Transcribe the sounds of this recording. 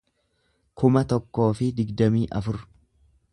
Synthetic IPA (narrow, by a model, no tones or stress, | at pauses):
kʰʊmɐt̪ɔkːo̞ːfɪd̪ɪɡd̪ɐmiːʔɐ̰fʊɾ